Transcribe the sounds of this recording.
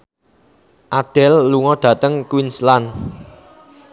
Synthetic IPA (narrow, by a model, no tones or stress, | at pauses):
ʔad̪̥ɛlːuŋɔɖ̪̥ä̤t̪əŋkwinslan